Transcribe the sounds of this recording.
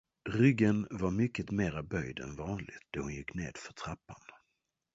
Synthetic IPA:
ɾʏɡənvaɾmʏkːət̪meːɾabœjd̪ɛ̰nvɑːnlɪ̰ɡt̪̚d̪̥ɔhʊnjɪkːnḛːd̪̥fœʈʰɾapːan

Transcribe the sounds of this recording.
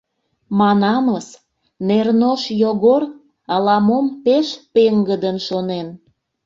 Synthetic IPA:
mɑnɑməs | nernoʃjoɣor | ɑlɑmompeʃpeŋɡəd̪ənʃonen

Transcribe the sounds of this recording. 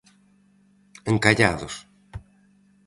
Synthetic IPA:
eŋkaʎaðos

